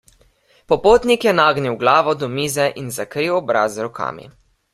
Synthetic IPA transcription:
pɔpoːt̪nikjɛnaːɡniwɡlaːʋɔd̪ɔmiːzɛʔinzakɾiwɔbɾaːzɾɔkʰa̰ːmḭ

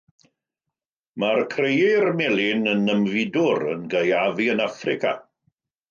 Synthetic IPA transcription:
markʰrejirmɛlˠɪnənəmvɪdʊɾə̰nɡəjaviənafrɪkʰa̰

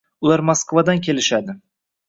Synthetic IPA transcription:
ʊlaɾmaskvad̪ankʲʰe̞lɪʃad̪ɪ

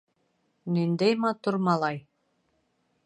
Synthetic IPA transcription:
nind̪æjmɑt̪uɾmɑlˠɑj

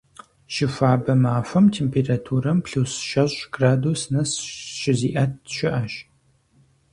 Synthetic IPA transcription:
ʃɪfaːbɐmaːfɐmtʰeːmpʰeːratʰuːɾɐmpɬusʃɐʑʷʼɡ̥raːduːsnɐsʃɪziːʔɐt̚ʰʃɪʔɐʃ

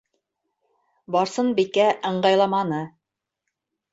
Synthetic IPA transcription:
bɑɾsɤnbikæʔɤ̆ɴɢɑjlˠɑmɑnɤ

